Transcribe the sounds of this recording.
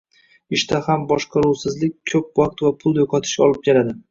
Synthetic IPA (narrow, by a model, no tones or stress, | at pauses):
ɪʃt̪ahambɒʃqʰɑɾuwsɪzlɪk̚ʲkʰːɵp̚waq̚t̪vapʰʊlˠjoqʰɒt̪ʰɪ̥ʃɒlˠɪp̚kʲʰeɾad̪ɪ